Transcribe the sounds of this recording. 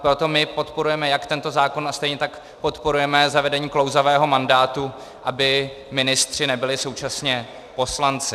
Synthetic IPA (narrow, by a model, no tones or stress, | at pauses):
pɾo̞t̪o̞mɪpo̞t̪po̞ɾujɛmɛjakt̪ɛnt̪o̞zaːko̞nast̪ɛjɲɛt̪ak | po̞t̪po̞ɾujɛmɛzavɛdɛɲiːklowzavɛːɦo̞mandaːt̪u | ʔabɪ | mɪnɪst̪r̝̥ɪnɛbɪlɪso̞wt͡ʃasɲɛ | po̞slant͡sɪ